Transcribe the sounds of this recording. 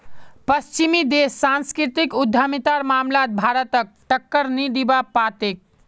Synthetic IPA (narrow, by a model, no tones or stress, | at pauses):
pəst͡ʃimid̪esːanskɾit̪ikud̪ʱːamit̪aɾmamlat̪̚bʱaɾət̪ək̚ʈəkːəɾniɖ̪ibapat̪ek̚